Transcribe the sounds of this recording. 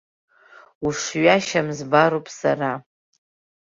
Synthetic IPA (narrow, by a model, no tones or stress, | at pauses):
uʂɥaʃamzbaɾopʼsara